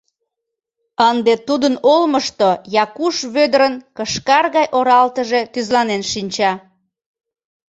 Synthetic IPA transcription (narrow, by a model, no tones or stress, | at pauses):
ənd̪et̪ud̪ənolməʃt̪ojɑkuʃβød̪əɾənkəʃkɑrɣɑjʔoɾɑlt̪əʒe̽t̪yzlɑnenʃinʲt͡ɕɑ